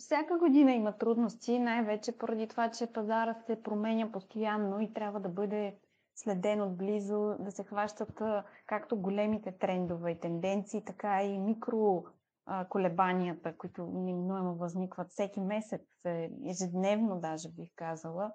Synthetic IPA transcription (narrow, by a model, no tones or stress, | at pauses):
fsʲjakəɡod̪inɐimɐt̪ɾud̪nost̪inajvɛt͡ʃɛpoɾɐd̪it̪ovat͡ʃɛpɐzaɾət̪sɛpɾomɛnʲəpost̪ojanːoit̪ɾʲabvəd̪ɐbɤd̪ɛ | slɛd̪ɛnod̪̚blizod̪ɐsɛxvaʃt̪ət̪kakt̪oɡolɛmit̪ɛt̪ɾɛnd̪ovɛit̪ɛnd̪ɛnt̪siːt̪ɐkaimikɾo | əkolɛbaniət̪əkoit̪onɛminuɛmovɐznikvɐt̪fsɛkimɛsɛt̪sɛɛʒɛd̪nɛvnod̪aʒɛbixkazəlˠə